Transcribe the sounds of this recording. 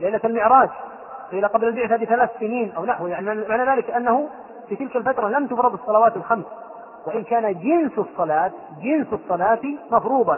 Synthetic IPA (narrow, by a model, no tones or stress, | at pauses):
lajlːat̪almɪʕɾˤɑːd͡ʒ | qiːlaqɑblalbɪʕt̪abɪθalaːθsɪniːnʔawnaħwjaʕniamaʕnaðaːlɪkʔanːahʊ | fiːt̪ɪlkalfat̪ɾˤɑlamt̪ʊfɾˤɑd̪ɑsˤːɑlɑwaːt̪alxams | waʔɪnkaːnad͡ʒɪnsɑsˤːɑlaːt̪ | d͡ʒɪnssˤːɑlɑːt̪mɑfɾuːb̪ˤɑ